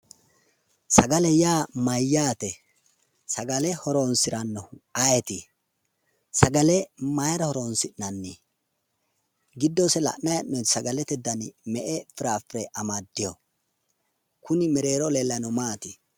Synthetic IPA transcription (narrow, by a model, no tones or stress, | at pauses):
sɐɡɐlɛjaːmɐjːaːt̪ɛ | sɐɡɐlɛhɔɾonsɪɾɐnːɔɐjɛt̪ɪ | sɐɡɐlɛmɐjɾɐhɔɾonsɪnɐnːi | ɡɪd̪ːɔsɛlɐ̰ʔnɐjɐnːɔsɐɡɐlɛt̪ɛd̪ːɐnɪmɛʔɛfɪɾaːfɪɾɛʔɐmɐd̪ːɪjɔ | kʊnɪmɛɾe̞ːɾɔleːlːɐnɔmaːt̪ɪ